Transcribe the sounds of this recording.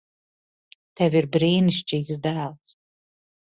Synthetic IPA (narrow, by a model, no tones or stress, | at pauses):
t̪ɛvʲiɾbɾiːniʃt͡ʃiːɡsd̪æːlˠs